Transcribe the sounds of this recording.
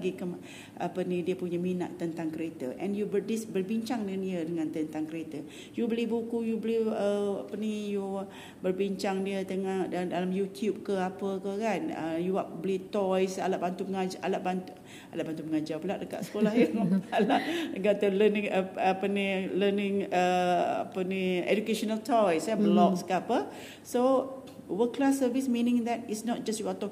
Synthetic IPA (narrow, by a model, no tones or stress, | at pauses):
ɡikəm | ʔapənidiəpuɲəminaʔt̪ənt̪aŋkəɾet̪əʔɛnjubədisbərbiɲt͡ʃaŋdəaniədəŋãnt̪ənt̪aŋkəɾet̪ə | jubəlihbukujubəlɪhəa̰pəniju | bərbiɲt͡ʃaŋdiət̪əŋahddalamjut̪jub̚kəapəkəkanə̰juaʔbəlit̪ɔjsa̰laʔbant̪uməŋad͡ʒʔa̰laʔbant̪u | alaʔbant̪uməŋad͡ʒabəlaʔ̚dəka̰ʔsə̥kolahjəŋalaʔɡat̪ələnĩŋəapənilənɪ̃ŋəa̰pəniḛd͡ʒukeʃɔnalt̪ʰɔjsabəlɔk̚skəapə | so | wəklasːəvismĩnɪ̃ŋd̪ɛt̚isnɔt̚d͡ʒastjuat̪ɔ